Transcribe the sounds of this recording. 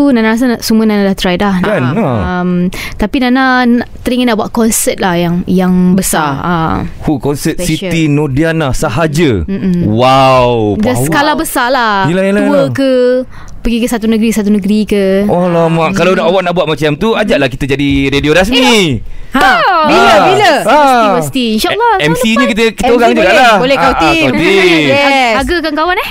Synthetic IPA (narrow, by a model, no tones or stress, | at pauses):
unanaɾas̬anaʔsumuənanalaht̪ɾajtlahnaanmt̪apinananaʔt̪əɾiŋanːaʔbuaʔkɔnsɛt̪̚lahjaŋjaŋbəsaa̰hukɔnsɛt̪sit̪inodianasaɦad͡ʒəm̩ʔm̩wawdasəkalabəsalahjilailuəkə | pəɡikəsat̪unəɡɾiksat̪unəɡɾikəɔlamaʔkalawnaʔawaʔ̚naʔbuat̪̚mat͡ʃiamt̪uad͡ʒaʔlahkit̪əd͡ʒadiɾedioɾasmini | biləbiləavəsi̥t̪iinʃaʔlːɔɛmsiɲəkit̪əkit̪əoɾaŋd͡ʒuɡaʔlaholɛhkaw̪iat̪iɛaaɡəkaŋkawanɛh